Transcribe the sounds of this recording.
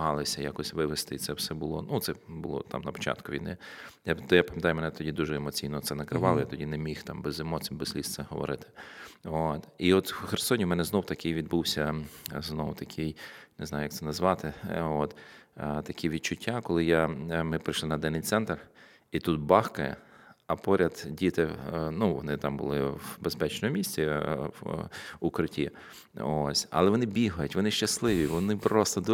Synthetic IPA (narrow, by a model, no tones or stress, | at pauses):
ɦɑlˠɪsʲɐjakɔsʲʋɪʋɪst̪ɪit̪sɛwsɛbʊlˠɔnut̪ɛbʊlˠɔ̰t̪ɑ̰mnɐpɔ̥t͡ʃa̰t̪kʊʋʲḭjnɪjajapɐmjɐt̪ɑjʊmɛnɛt̪ɔdʲid̪uʒɛemɔt͡sʲijnɔt̪sɛnɐkɾɪʋɑlˠɔjat̪ɔdʲinemʲixt̪ɑmbezemɔsʲbez̥lʲist̪sɛɦɔʋɔ̰ɾɪt̪ɪ̥ot̪iɔt̪xeɾsɔnʲiumɛnɛznɔwʊt̪ɐkɪjʋʲid̪̚buwsʲɐznɔwʊt̪ɐkʰɪjnɪzɑjʊjɐkt̪sɛnɐzʋɑt̪ɪot̪t̪ɐkʲiʋʲid̪̚t͡ʃʊtʲːakɔlˠɪjamɪpɾɪjʃlˠɪnɐd̪ɛnːɪjt̪sɛnt̪r | it̪ut̪̚bɑxkɐjɛ̰ | ɐpɔɾʲɐd̪dʲit̪ɪnuʋɔnɪt̪ɑmbʊ̰lˠɪwbespɛt͡ʃnɔmʊmʲisʲt͡sʲi | ukɾɪtʲi | osʲɐ̰lˠɛʋɔnɪbʲiɦɐjʊtʲʋɔnɪʃt͡ʃɐslˠɪʋʲiʋɔnɪpɾɔst̪ɔd̪